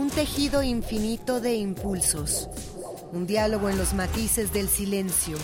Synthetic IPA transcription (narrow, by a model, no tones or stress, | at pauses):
unt̪e̞xiðo̞iɱfinit̪o̞ðe̞impulso̞s | und̪jalo̞ɣ̞o̞enlo̞zmat̪ise̞zðe̞lsile̞nsjo̞